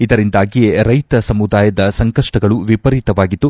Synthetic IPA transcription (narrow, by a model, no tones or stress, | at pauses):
id̪ɐɾind̪aːɡijeɾɐjt̪ɐsɐmud̪aːjɐd̪ɐsɐŋkɐʂʈɐɡɐɭuʋipɐɾit̪ɐʋaːɡit̪ːu